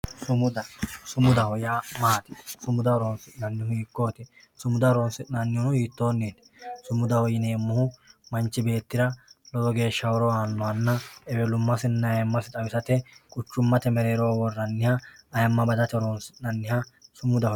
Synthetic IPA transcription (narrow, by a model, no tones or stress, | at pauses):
sʊmʊd̪ɐsʊmʊd̪ɐhɔjaːmaːt̪ɪsʊmʊd̪ɐɾoːnsɪnɐnːɪhʊiːkːo̞ːt̪ɪ | sʊmʊd̪ɐɾoːnsɪtnɐnːɪhʊnʊiːt̪ːo̞ːnːeːd̪ɛ̥sʊmʊd̪ɐhɔjɪneːmːʊhʊmɐnt͡ʃːɪbe̞ːt̪ːɪɾɐlɔɔɡe̞ːʃːɐwɔɾɔaːnːɔwɐnːɐɛbɛlʊmːɐsɪnːɐɐjɐmːɐsɪt̪ʼɐwɪsɐt̪ɛkʼʊt͡ʃːʊmːɐt̪ɛmɛɾeːɾoːwɔrːɐnːɪhɐːjɐmːɐbɐd̪ɐt̪ɛɾoːnsɪnɐnːɪhɐsʊmʊd̪ɐh